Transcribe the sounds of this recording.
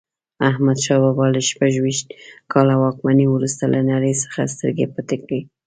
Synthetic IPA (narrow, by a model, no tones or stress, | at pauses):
ahmad̪ʃɑbɑbɑləʃpaʒwiʃt̪kʰɑlawɑkmaniwɾust̪alʔanaɾəjsə̥xas̬t̪əɾɡepət̪ekɽi